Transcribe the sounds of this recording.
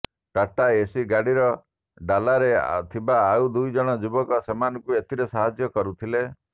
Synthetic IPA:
ʈaʈaesiɡaɽiɾɔ | ɖalaɾḛt̪ʰibaːud̪ujd͡ʒɔɽ̃ɔd͡ʒubɔkɔsemanɔkuet̪ʰiɾesaɦad͡ʒjɔkɔɾut̪ʰile

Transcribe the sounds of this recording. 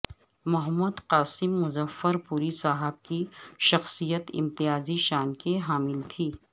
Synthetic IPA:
mʊɦəmːəd̪qaːsɪmːʊzəfːəɾpuːɾisaːɦəb̚kiʃɐxsijət̪ɪ̰̃mt̪ɪjaːziʃaːnkeɦaːmɪlt̪ʰiː

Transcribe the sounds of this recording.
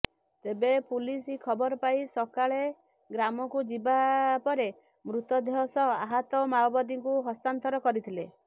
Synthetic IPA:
t̪ebepulisikʰɔbɔɾɔpaisɔkaɭe | ɡɾamɔkud͡ʒibapɔɾe | mɾut̪ɔd̪eɦɔsɔaɦat̪ɔmawbɔd̪iŋkuɦɔst̪ant̪ɔɾɔkɔɾit̪ʰile

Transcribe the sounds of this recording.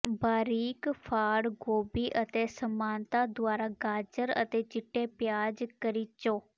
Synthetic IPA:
baːɾiːkpʰaːɽɡoːbiːʔət̪eːsəmaːnt̪aːd̪ʊaːɾaːɡaːd͡ʒəɾə̰t̪eːt͡ʃɪʈːeːpjaːd͡ʒkəɾiːt͡ʃoː

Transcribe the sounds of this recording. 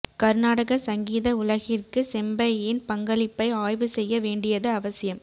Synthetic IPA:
kɐɾnaːɽɐɣɐsɐŋɡiːðɐʊlɐɣɪrkɯsɛmbɐjɪnpɐŋɡɐlɪpːɐɪaːjʋɯsɛjːɐʋeːɳɖɪjɐðɯɐʋɐsɪjɐm

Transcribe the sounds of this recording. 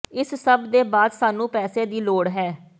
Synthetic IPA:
ɪssəbd̪eːbaːd̪saːnũːpɛːseːd̪iːloːɽɦɛː

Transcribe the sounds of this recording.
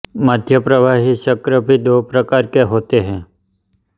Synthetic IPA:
məd̪ʱjəpɾəʋaːɦiʃəkɾəbʱid̪oːpɾəkaːɾkeɦoːt̪eɦɛ̃ː

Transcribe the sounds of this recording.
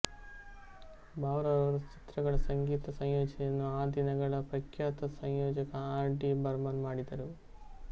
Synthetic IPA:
baːwɾɐɐɾɐt͡ʃi̥t̪ɾɐɡɐɭɐsɐŋɡiːt̪ɐsɐjjoːd͡ʒɐjɐnːuaːd̪inɐɡɐɭɐpɾɐkʰjaːt̪ɐsɐjjoːd͡ʒɐkɐaːɾɖibɐɾmɐnmaːɽid̪ɐɾu

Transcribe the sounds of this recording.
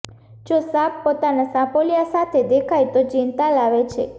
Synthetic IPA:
d͡ʒosappot̪anasãpolijasat̪ʰed̪ekʰajt̪od͡ʒint̪alaʋet͡ʃʰḛ

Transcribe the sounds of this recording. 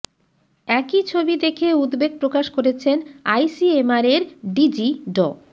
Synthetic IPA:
ɛkit͡ɕʰobid̪ekʰeud̪beɡ̚pɾokaʃkoɾet͡ɕʰenajsiemaɾeɾɖid͡ʑiɖɔ̰

